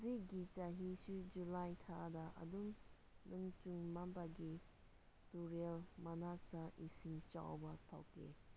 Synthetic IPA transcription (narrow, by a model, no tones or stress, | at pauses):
ziɡit͡ʃaɦisud͡ʒulajtʰadɐʔɐ̰dum | nʔɯŋt͡ʃuŋmampaɡi | tuɾelmanak̚tɐʔisiŋt͡ʃa̰wbɐtʰa̰wkʰːḛ